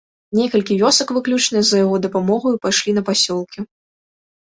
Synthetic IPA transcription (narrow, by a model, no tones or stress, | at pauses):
nʲɛkɐlʲkʲivʲɔsɐkvɨklʲut͡ʂnɨzɐjaɣɔd̪ɐpamɔɣujpajʂlʲinɐpasʲɔlˠkʲi